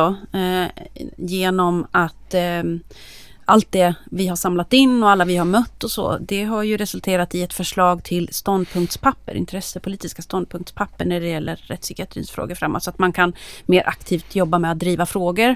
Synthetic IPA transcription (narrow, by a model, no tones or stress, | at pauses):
ɔ | jeːnɔmat̪ | ʔalt̪̚d̪ɛvɪɦaʂamlat̪ɪnːɔalːavɪhaɾmœt̪ːɔso̰ːd̪ɛɦaɾjɵɾɛsɵlt̪ʰeːɾat̪ɪɛt̪fœʂɭɑːɡt̪ʰɪlst̪ɔnd̪̚pʰɵŋk̚t̪spʰapːə̰ɾʔɪ̰nt̪ʰɾɛsəpʰʊliːt̪ɪskast̪ɔnd̪̚pʰɵŋkt̪spʰapːəɳnæɖɛjɛlːə̰ɾːɛt̪sʏkɪat̪ʰɾḭːnsfɾo̰ːɡəɾfɾa̰mːo̰ːt̪sat̪mankʰanmeːɾʔa̰kt̪ʰiːft̪ʰjɔbːamɛat̪̚d̪ːɾiːvafɾoːɡəɾ